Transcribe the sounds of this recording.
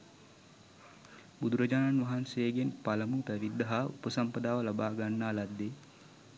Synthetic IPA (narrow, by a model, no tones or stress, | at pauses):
bud̪uɾəd͡ʒaːnanʋaɦanseeɡenpaləmut̪æʋid̪əɦaupəsampəd̪aːʋəlabaːɡanːaːlad̪ːe